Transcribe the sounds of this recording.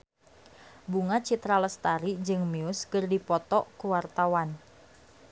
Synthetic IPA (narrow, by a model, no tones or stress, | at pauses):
buŋat͡ʃit̪ɾaləst̪aɾid͡ʒɨŋmiʊskərdipɔt̪ɔʔkuwart̪awan